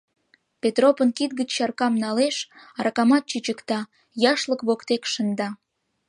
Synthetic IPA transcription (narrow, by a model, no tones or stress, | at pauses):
pet̪ropənkit̪̚ɡət͡ɕʃɑrkɑmnɑleʃɑɾɑkɑmɑt̪̚t͡ɕyt͡ɕəkt̪ɑ | jɑʃləkβokt̪ekʃənd̪ɑ